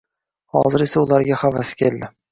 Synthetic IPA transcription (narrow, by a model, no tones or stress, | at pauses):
hɒ̰zɪɾe̞saʊlaɾɡʲahavasɪ̥kʲʰe̞ld̪ɪ